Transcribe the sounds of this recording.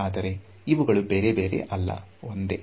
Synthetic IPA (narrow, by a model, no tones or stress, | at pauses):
aːd̪ɐɾe̞ | iʋuɡɐɭube̞ːɾe̞be̞ːɾe̞̰ʔɐlːɐ̰ond̪e̞̰